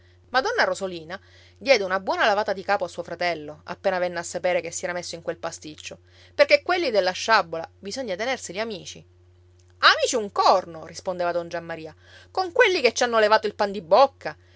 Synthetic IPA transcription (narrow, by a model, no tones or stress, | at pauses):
mad̪ɔnːaɾozoliːna | d̪jɛːd̪eunabwɔːnalavaːt̪ad̪ikaːpoasːuːofɾat̪ɛlːoa̰pːeːnavɛnːeasːapeːɾekesːiɛːɾamesːoiŋkwelpast̪it͡ʃːo | perkekwelːid̪elːaʃːabːola̰bizoɲːat̪enersiliamiːt͡ʃi | amiːt͡ʃiuŋkɔrnorispond̪eːvad̪ond͡ʒamːaɾiːa | koŋkwelːiket͡ʃːanːolevaːt̪oilpand̪ibːokʰːa